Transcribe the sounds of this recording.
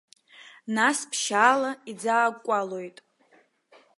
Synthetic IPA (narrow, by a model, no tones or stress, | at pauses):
naspʰʃaːlaid͡zaːɡʷʼalojtʼ